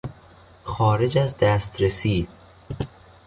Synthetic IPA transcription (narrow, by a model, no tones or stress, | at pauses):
xɒːɾe̞d͡ʒæzd̪æːst̪ɾesiː